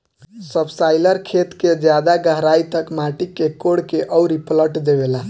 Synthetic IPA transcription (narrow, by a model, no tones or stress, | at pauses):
səbsajləɾkʰet̪ked͡ʒjad̪aɡəɦɾajt̪əkmaʈikːekoɽkeʔəwɾipʰləʈd̪eβela